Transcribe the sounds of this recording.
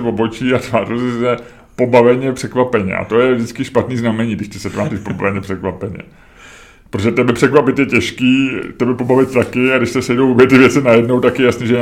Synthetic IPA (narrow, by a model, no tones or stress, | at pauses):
vobot͡ʃiːat̪vaːtɛlsɪsɛ | po̞bavɛɲɛpr̥ɛkvapɛɲɛ̰ʔa̰t̪o̞jɛvdɪt͡skɪʃpat̪niːznamɛɲiːɡdɪʃt̪ɛsɛt̪vaːtɛtpoba̰vɛɲɛpr̥ɛkvapɛɲɛ̰ | pɾtoʒɛt̪ɛbɛpr̥ɛkvapɪt̪jɛcɛʃkiːt̪ɛbɛpo̞bavɪt̪̚t̪akɪaɡdɪʃsɛsɛjdowvobjɛt̪ɪvjɛt͡sɪnajɛdnowt̪akjɛjasnɛʒɛ